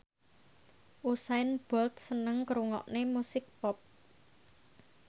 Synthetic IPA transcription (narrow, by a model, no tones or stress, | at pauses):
ʔusaɪnb̥ɔlt̪̚sənəŋkəɾuŋɔ̰ʔnemusɪk̚pɔp̚